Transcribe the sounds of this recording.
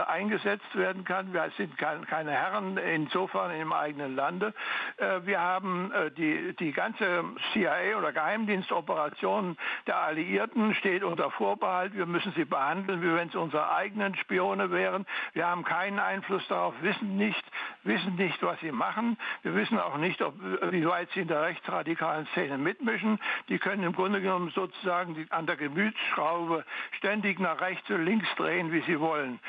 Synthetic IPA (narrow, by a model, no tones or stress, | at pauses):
ʔaɪnɡəzɛt͡stv̥eːɐdn̩kʰanviːɐz̥ɪntkʰaɪnkʰaɪnəhɛʁənɪnzoːfɛɐnɪndemʔa̰ɪɡənənlandəʔviːɐhaːbm̩diːd̥iːɡant͡səsiaeːoːdɐɡəhaɪmdiːnstʔɔpəʁat͡sjoːnənd̥eːɐʔaliʔiːɐtn̩ʃteːtʔʊntɐfoːɐbəhaltv̥iːɐmʏsn̩ziːbəhandl̩nviːvɛnsʔʊnzəʁɐ̰ʔa̰ɪɡənənʃpioːnəvɛːʁənv̥iːɐhaːbm̩kʰaɪnənʔa̰ɪnflʊsd̥aʁaʊfv̥ɪsn̩nɪçtvɪsn̩nɪçtv̥asz̥iːmaχən̩viːɐvɪsn̩a̰ʊxnɪçtɔpviːvaɪtz̥iːɪndeːɐʁɛçt͡sʁadikʰaːlən̩st͡seːnəmɪtmɪʃn̩d̥iːkʰœnənɪmɡʁʊndəɡənɔmənzoːt͡su̥zaːɡŋ̩dʔandeːɐɡəmyːt͡sʃʁ̥aʊbəʃtɛndɪçnaːχʁ̥ɛçt͡sʊntlɪŋksd̥ʁeːənviːziːvɔlən